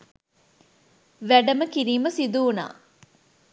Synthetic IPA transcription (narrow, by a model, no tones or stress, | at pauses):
ʋæɖɐməkiɾiːmɐsid̪uːna̰ː